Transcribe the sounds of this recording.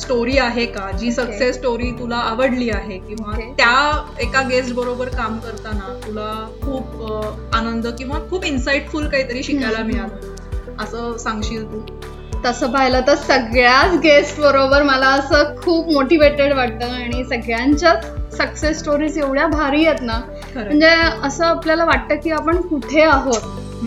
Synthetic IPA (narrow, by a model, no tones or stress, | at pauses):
sʈoɾiːaɦekad͡ʑiːsəksesːʈoɾiːt̪ulaəʋəɽliːaɦekĩw̃ʋat̪jaekaɡesʈ̚bəɾobəɾkamkəɾt̪anat̪ulakʰuːp | anənd̪əkĩw̃ʋakʰuːpinsaiʈfulkaɦiːt̪əɾiːɕikajlamiɭan | əsəːsãŋɡɕiːlt̪uː | t̪əsəːpaɦilət̪əɾsəɡɭjat͡sɡesʈbəɾobəɾməlaəsəːkʰuːpmoʈiʋeʈeɽʋaʈ̚t̪əːaɽ̃isəɡɭjaɲt͡ɕjat͡ssəksesːʈoɾiːd͡zeʋɭjabʱaɾiːjet̪na̤ | əɳd͡zeəsəːapljalaʋaʈ̚t̪əːkiːapəɳkuʈʰeaɦot̪̚